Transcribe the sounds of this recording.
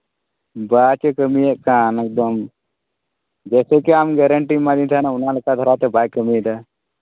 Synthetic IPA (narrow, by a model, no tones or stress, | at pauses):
baːt͡ʃəkəmijeʔkaːnek̚d̪əm | d͡ʒɛːsekiaːmɡɛɾəɳʈimãːd̪ĩnt̪ʰanaʊnãləkad̪ʱəɾat̪ebʱaːjkəmit̪a